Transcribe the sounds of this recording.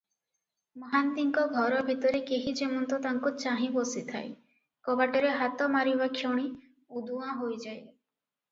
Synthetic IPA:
mɔɦant̪iŋkɔɡʱɔɾɔbʱit̪ɔɾekeɦid͡ʒemɔnt̪ɔt̪aŋkut͡ʃaɦĩbɔsit̪ʰa̰e | kɔbaʈɔɾeɦat̪ɔmaɾibakʰjɔɽ̃i | ud̪uãɦojd͡ʒaj

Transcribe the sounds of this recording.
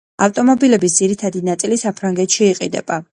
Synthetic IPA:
aft̪ʼɔmɔbilɛbis̬d̪ziɾit̪ʰad̪inat̪sʼilisapʰɾaŋɡɛt̪ʃiːqʼḭd̪ɛ̰b̥a

